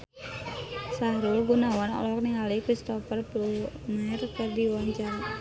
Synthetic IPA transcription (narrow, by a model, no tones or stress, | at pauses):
saɾulɡunawanɔ̰lɔk̚niŋalikɾist̪ɔfərplunɛrkɨrdiwaɲt͡ʃaɾa